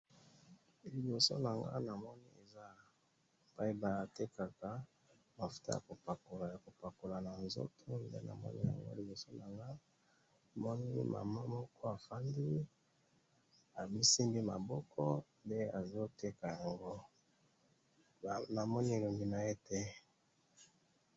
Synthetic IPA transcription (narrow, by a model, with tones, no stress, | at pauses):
li˨bo˨so̰˦na˨ŋɡa̰˦na˨mɔ˦ni˦e˨za˦ | e˨pa˦i˦ba˨a˨te˦ka˨ka˨ | ba˨fu̥˨ta̰˦ja̰˨ko˨pa˨ko˨lja˨ko˨pa˨ko˨la˨na˨nzo̰˦tʰo˦ndḛ˦na̰˨mɔ̰˦nḭ˦ja̰˨ŋɡo̰˦li˨bo˨so˦na˨ŋɡa˦˨ | mɔ˦ni˦mʔa̰˨ma˦mɔ˦kʰɔ˦a˨fa˦ndi˦ | a˨mi˦si˦mbi˦ma̰˨bɔ˦kʰɔ˦nde˦a˨zo˦te˦ka˨ja˨ŋɡo˦˨ | na˨mɔ˦ni˦e˨lo˨ŋɡi˨na˨e˦tɛ˦